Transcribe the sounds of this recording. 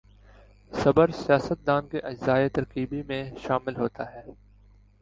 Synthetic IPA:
sɐbəɾsijaːsət̪̚d̪aːnkeʔɐd͡ʒzaːet̪ɐɾqiːbimẽʃaːmɪlɦoːt̪aɦɛː

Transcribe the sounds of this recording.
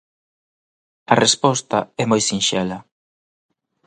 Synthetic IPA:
ɐrespɔst̪aɛmojsinʃɛlɐ

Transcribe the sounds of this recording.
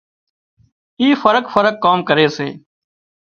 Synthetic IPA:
iːfəɾəkfəɾəkːaːmkəɾeːsḛː

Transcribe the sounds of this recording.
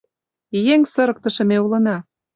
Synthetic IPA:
jeŋsɤ̆ɾɤ̆k̚t̪ɤ̆ʃɤ̆meulɤ̆nɑ

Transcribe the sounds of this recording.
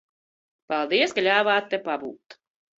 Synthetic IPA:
palˠd̪iɛskaʎʲaːvaːt̪ʲːepabuːt̪

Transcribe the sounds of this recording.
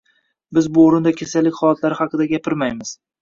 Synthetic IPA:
bɪzbʊːɾɪnd̪akʲʰasalːɪkʲχɒlˠat̪ʰlaɾɪhɑqʰɨd̪aɡʲapʰɪɾmajmɪz̥

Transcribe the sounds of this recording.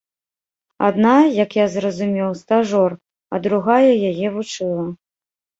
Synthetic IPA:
a̰d̪najɐkjazrɐzumʲɛwst̪aʐɔr | ɐd̪ɾuɣajɐjajɛvut͡ʂɨlˠɐ

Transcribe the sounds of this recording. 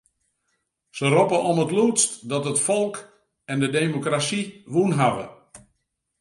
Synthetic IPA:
səropəʔɔmətlutstdɔtətfɔlˠk | ɛndədeːmokrasiʋunɦaʋə̰

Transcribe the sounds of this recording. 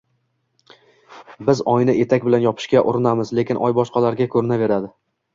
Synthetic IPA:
bɪzɒjnɪʔe̞t̪ʰakʲbɪlanjɒpʰɪ̥ʃkʲaʔʊɾɪnamɪzle̞kʲɪnʔɒ̰jbɒʃqɑlaɾɡʲakʰɵɾɪnave̞ɾad̪ɪ

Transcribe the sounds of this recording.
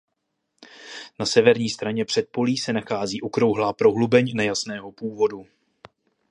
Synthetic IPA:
nasɛvɛɾɲiːst̪ɾaɲɛpr̥ɛt̪̚po̞liːsɛnaxaːziːʔokɾo̞wɦlaːpɾo̞ɦlubɛɲnɛjasnɛːɦo̞puːvo̞du

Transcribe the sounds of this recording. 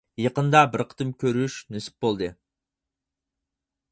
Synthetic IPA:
jɑqənd̪ɑbɪɾqʰə̥t̪ɨmkʲʰøɾyʃnysɪ̥p̚bolˠd̪ɨ

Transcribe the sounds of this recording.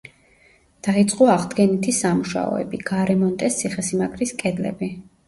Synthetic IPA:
d̪̥ait̪sʼqʼɔaʁd̪ɡɛnit̪ʰisamuʃa̰ɔ̰ɛ̰biɡ̥aɾɛmɔnt̪ʼɛst̪sʰiχɛsimakʰʼɾiskʼɛd̪lɛ̰bi

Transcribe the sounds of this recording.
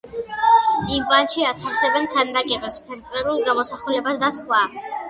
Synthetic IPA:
d̪imbanʃiat̪ʰansɛbɛnk̪ʰand̪akʼɛbɛspʰɛɾt̪sʼlɛɾulˠɡamɔsaχulɛbasd̪asχwa

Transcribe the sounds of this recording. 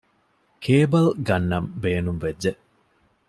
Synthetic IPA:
kʰeːbɐlɡɐnːɐmbeːnumʋed͡ʒːe

